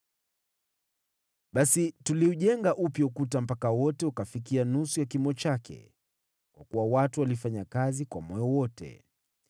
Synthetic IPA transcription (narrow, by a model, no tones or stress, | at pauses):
ɓasituliuʄɛŋɡaʔupjaukutam̩pakawɔtɛukafik̬ianusujakimɔt͡ʃakʰɛ̰ | kwa̰kuwawatuwalifaɲakazikwa̰mɔjɔwɔtɛ̰